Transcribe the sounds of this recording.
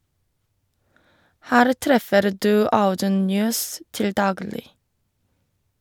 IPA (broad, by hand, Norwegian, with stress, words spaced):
ˈhæːɾ ˈtɾɛfəɾ ˈdʉː ˈaʊdʉn ˈnjøːs ˈtɪl ˈdɑːɡlɪ